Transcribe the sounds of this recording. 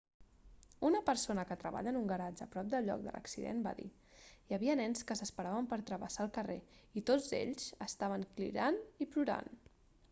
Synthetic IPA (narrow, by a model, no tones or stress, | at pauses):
unəpəɾsonəkət̪ɾəβa̰ʎənuŋɡəɾad͡ʒəpɾɔp̚d̪əlʎɔ̰k̚d̪ə̰lʔə̰ksiðḛnba̰ðḭ | jəβiənɛnskəsəspəɾaβəmpəɾt̪ɾəβəsaəlˠkəreit̪od͡zḛʎz̥əst̪aβ̞əŋklḭɾanipluɾa̰n